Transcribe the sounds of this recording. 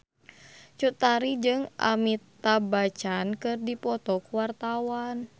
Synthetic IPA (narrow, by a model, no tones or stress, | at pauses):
t͡ʃut̪aɾid͡ʒɨŋʔa̰mit̪abat͡ʃankɨrdipɔt̪ɔkuwart̪awan